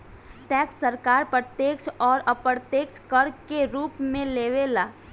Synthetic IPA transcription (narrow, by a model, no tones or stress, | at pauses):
ʈɛːksəɾkaːɾpɾət̪jeːkʃɔːɾəpɾət̪eːkt͡ʃkəɾkeɾuːpmẽleːʋelaː